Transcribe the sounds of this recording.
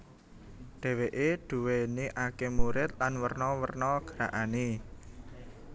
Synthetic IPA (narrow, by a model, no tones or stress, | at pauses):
ɖ̥e̤weʔeɖ̪̥ṳweniʔakemuɾɪt̪̚lanwərnɔwərnɔɡ̥əɾaʔane